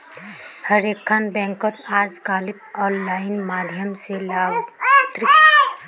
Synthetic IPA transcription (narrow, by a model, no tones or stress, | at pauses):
həɾekʰːaːnbɛ̃ːŋkət̪aːd͡ʒkaːlit̪ɔːnlaːɪnmaːd̪ʱjəmselaːbt̪ɾɪk